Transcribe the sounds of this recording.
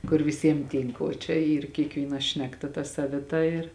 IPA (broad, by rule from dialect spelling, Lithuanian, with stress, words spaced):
kʊr ʋʲɪˈsʲiɛm ˈtʲiːŋk oː t͡ʃʲɛ ˈiːr kʲiɛkˈʋʲiːnɐ ˈʃʲnʲæːkˌtɐ tɐ sɐʋʲɪˈtɐ ɪr